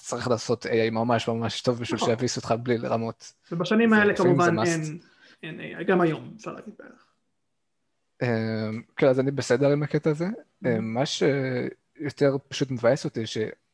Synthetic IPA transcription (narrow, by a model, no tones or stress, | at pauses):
t͡saʁiχlaːso̞t̪ejajmamaʃmamaʃto̞vbiʃvilʃejavisot̪χablileʁamo̞t̪ | vebaʃanimaelekamuvanmaen | enḛja̰jɡamajo̞msa̰la̰ɡid̚bḛeχ | emkenazanibesedeʁimaketaːze | emaʃe | jo̞t̪e̞ʁpḁʃutmevajesot̪iʃe